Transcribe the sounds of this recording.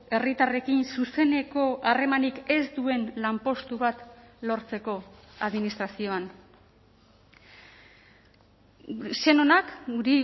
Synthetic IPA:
e̞rit̪are̞kinsuse̞ne̞ko̞ʔare̞manike̞zd̪ue̞nlampo̞st̪uβat̪lo̞ɾt͡se̞ko̞ | aðminist̪ɾasio̞an | se̞no̞nakuɾi

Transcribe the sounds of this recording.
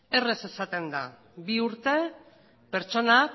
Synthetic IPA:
e̞re̞se̞sat̪e̞nd̪a̰ | biuɾt̪e̞ | pe̞ɾt͡ʃo̞na

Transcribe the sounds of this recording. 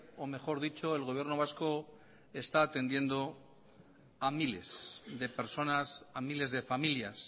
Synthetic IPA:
ome̞χo̞ɾðit͡ʃo̞e̞lɣo̞β̞je̞ɾnoβasko̞ | e̞st̪aːt̪e̞nd̪je̞nd̪o̞ | amile̞sðe̞pe̞ɾso̞nasamile̞zðe̞familjas

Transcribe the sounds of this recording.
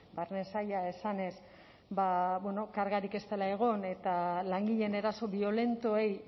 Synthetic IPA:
baɾne̞sajaesane̞s | baβweno̞kaɾɣaɾike̞st̪e̞lae̞ɣ̞o̞ne̞t̪alaŋɡiʎe̞ne̞ɾaso̞βio̞le̞nt̪oej

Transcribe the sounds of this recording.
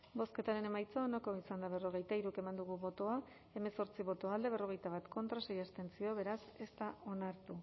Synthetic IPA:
bo̞ske̞t̪aɾe̞ne̞majt͡saonako̞isand̪aβ̞e̞ro̞ɣ̞e̞jt̪aiɾuke̞mand̪uɣ̞uβo̞t̪o̞a | e̞me̞so̞ɾt͡siβ̞o̞t̪o̞ald̪e̞β̞e̞ro̞ɣ̞e̞jt̪aβ̞at̪ko̞nt̪ɾasajast̪e̞nt͡sio̞βe̞ɾase̞st̪ao̞naɾt̪u

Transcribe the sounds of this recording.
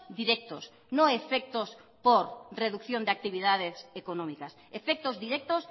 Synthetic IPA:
d̪iɾɛk̚t̪os | nõŋefek̚t̪ospoɾreðukθjõnd̪eak̚t̪iβiðaðesekonɔ̃mikasefek̚t̪ozðiɾɛk̚t̪os

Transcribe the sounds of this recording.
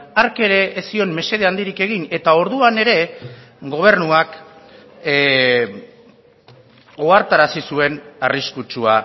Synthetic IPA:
aɾke̞ɾe̞ʔːsio̞nme̞se̞ðeand̪iɾike̞ɣ̞ine̞t̪ao̞ɾðuane̞ɾe̞ | ɡo̞β̞e̞rnuak | oaɾt̪aɾasisue̞nariskut͡ʃua

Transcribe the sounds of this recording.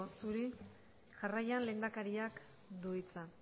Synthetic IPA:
osuɾi | ʝarajanle̞ːnd̪akaɾiak | d̪uit͡sa

